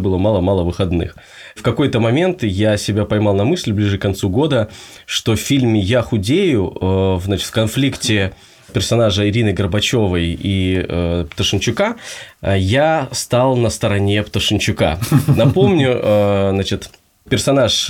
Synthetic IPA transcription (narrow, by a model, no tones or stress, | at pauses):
bɨlˠəmɑlˠəmɑlˠəvɨxɐd̪nɨ̰x | fkɐko̞jt̪əmɐmʲe̞nt̪jasʲɪbʲapɐjmɑlˠnɐmɨsʲlʲblʲiʐɨkɐnt̪suɡo̞d̪ə | ʂt̪o̞fʲfʲilʲmʲɪjaxʊdʲejʊvzat͡ɕɪ̥t̪fkɐnflʲiktʲɪ | pʲɪrsɐnaʐəɪɾʲinɨjɡərbɐt͡ɕo̞vəjiəpt̪əʂɨnt͡ɕʊka | jast̪alˠnəst̪əɾɐnʲe̞pt̪əʂɨnʲt͡ɕʊka̰nɐpo̞mnʲʊəznat͡ɕɪt̪ | pʲɪrsɐnaʂ